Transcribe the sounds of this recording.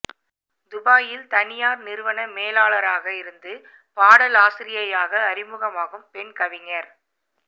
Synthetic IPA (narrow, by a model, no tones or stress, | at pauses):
d̪ʊbaːjɪlt̪ɐnɪjaːɾnɪɾɯʋɐnɐmeːlaːlɐɾaːɣɐɪɾɯnd̪ɯ | paːɽɐlaːsɪɾɪjɐjaːɣɐːɾɪmɯɣɐmaːɣɯmpɛnkɐʋɪŋɐɾ